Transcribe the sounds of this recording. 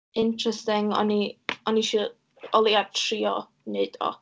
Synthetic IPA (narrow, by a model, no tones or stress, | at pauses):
ɪntʰrɛstɪŋɔ̰niɔniʃi | ɔlˠiatʰriːɔ | ned̥ɔ̰